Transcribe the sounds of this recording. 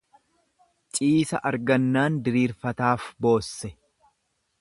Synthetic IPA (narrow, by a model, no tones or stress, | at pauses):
t͡ʃʼiːsɐ̰ʔɐɾɡɐnːaːnd̪ɪɾiːɾfɐt̪aːfbo̞ːsːɛ